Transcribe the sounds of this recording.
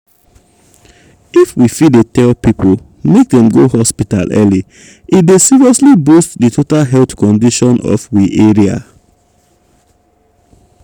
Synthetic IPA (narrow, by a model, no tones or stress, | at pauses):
ifwifidetɛlpipol | mek̚dɛ̃mɡohɔspita̰lʔɛli | idesiɹiɔslibustditʰotalɦɛlθkɔ̃ndiʃɔ̃nɔ̰fwiʔeɹia̰